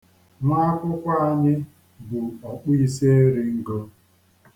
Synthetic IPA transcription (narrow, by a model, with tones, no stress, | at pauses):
na˦a˦kʷʊ˦kʷa˦a˦˨ɲɪ˦ | bu˨ɔ˨k͡pi˦i˦se˦e˦ɾɪ˦ŋ̩˦ɡo˦